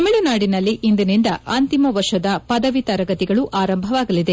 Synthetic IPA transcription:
ɐmiɭɐnaːɽinɐlːiʔind̪ɐnind̪ɐʔɐnt̪imɐʋɐɾʂɐd̪ɐpɐd̪ɐʋit̪ɐɾɐɡɐt̪iɡɐɭuʔaːɾɐmbʱɐʋaːɡɐlid̪e

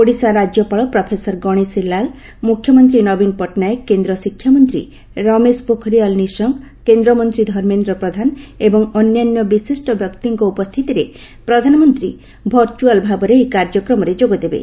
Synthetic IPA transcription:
poɽisaɾad͡ʒjɔpaɭɔpɾɔpʰesɔɾɡɔɽ̃isilːal | mukʰjɔmɔnt̪ɾinɔbinpɔʈnaekːend̪ɾɔsikʰːjamɔnt̪ɾḭ | ɾɔmespokʰɔɾiɔlnisɔŋk | kend̪ɾɔmɔnt̪ɾid̪ʱɔɾmend̪ɾɔpɾɔd̪ʱanebɔŋɔnjanjɔbisisʈɔbʱjɔkt̪iŋkɔupɔst̪ʰit̪iɾe | pɾɔd̪ʱanɔmɔnt̪ɾi | bʱɔɾt͡ʃualbʱabɔɾeekaɾd͡ʒɔkɾɔmɔɾed͡ʒoɡɔd̪ebḛ

